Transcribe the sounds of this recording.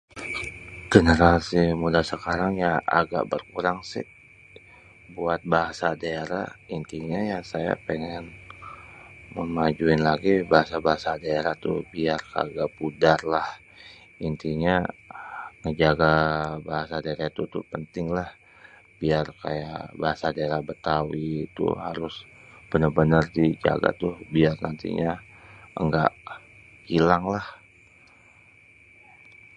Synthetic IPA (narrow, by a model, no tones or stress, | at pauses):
ɡ̥ənəɾasimudasəkaɾaŋjaa̰ɡa̰ʔbərkuɾaŋsɪ̰ | buat̪̚baɦasadaeɾa̰int̪iɲajaŋsaja̰pəŋɛn | məmad͡ʒuɪnlaɡibaɦasabaɦasadaeɾaht̪ṵbiarka̰ɡapudarlah | int̪iɲa | ŋəd͡ʒaɡabaɦasadaeɾait̪ut̪upənt̪ɪŋlah | biarka̰ja̰baɦasadaeɾabət̪awit̪ṵhaɾʊsb̥ənərbənərdid͡ʒa̰ɡa̰t̪ʊbiarnant̪ḭɲaəŋɡa̰ʔ | hilaŋlah